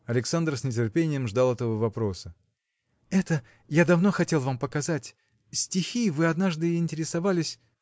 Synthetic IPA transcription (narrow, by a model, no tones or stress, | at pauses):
ɐlʲɪksand̪rsʲnʲɪtʲɪrpʲenʲɪjəmʐd̪alˠɛt̪əvəvɐpɾo̞sə | ɛt̪ə | jad̪ɐvno̞xɐtʲe̞lˠvampəkɐzatʲ | sʲtʲɪxʲivɨɐd̪naʐd̪ɨɪnʲtʲɪɾʲɪsɐvalʲɪsʲ